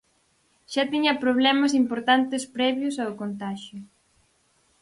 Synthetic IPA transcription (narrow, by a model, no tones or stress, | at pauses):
ʃat̪iɲɐpɾoβ̞lɛmɐs̬impoɾt̪ant̪espɾɛβjʊsaokont̪aʃjʊ